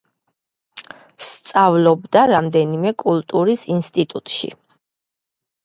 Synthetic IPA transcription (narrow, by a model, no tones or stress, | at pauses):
st̪sʼavlɔbd̪aɾamd̪ɛnimɛkʼulˠt̪ʼuɾisinst̪ʼit̪ʼut̪ʼʃḭ